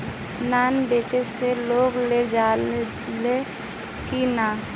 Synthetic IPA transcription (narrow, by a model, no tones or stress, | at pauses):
naːnbeːt͡ʃeseloːɡled͡ʒaː | le | kinaː